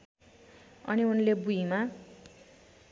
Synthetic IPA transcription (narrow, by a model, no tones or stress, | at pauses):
ʌ̰niunlebuɦima